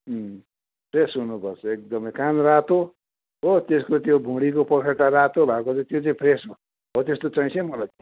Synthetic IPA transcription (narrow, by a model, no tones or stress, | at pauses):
pʰresɦunupʌrt͡sʰʌek̚d̪ʌmʌjkanrat̪o | ɦot̪eskot̪jobʱũɽikopʌkʰeʈaɾat̪obʱakot͡saĩt̪jot͡saĩpʰresɦo | ɦot̪est̪ot͡saĩsʌ̃ĩmʌlat̪